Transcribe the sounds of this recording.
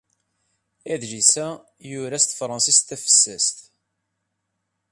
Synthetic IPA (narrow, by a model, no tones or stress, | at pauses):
æðʒisæ | jʊɾæst̪fɾˤɑnsist̪æfə̥sːæst̪